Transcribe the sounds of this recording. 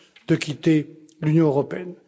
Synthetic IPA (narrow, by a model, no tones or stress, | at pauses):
d̪̥əkʰʲit̪e | lynjɔ̃øʁɔpeɛn